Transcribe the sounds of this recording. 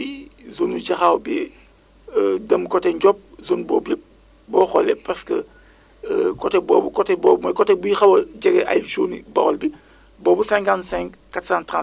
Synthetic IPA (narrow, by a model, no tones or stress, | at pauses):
izonuɟɐxaːwbi | dɐmkɔtɛɲɟɔp̚zonbɔːbip̚ | bɔːxɔlɛpaskə̰ | kɔtɛbɔːbukɔtɛbɔːmɐkɔtɛbujixɐwɐɟɐɡɛʔa̰jlt͡ʃoːnḭbɔɣɐlbi | bɔːbusɛ̃ŋkansɛ̃ŋkkatsãntɾãn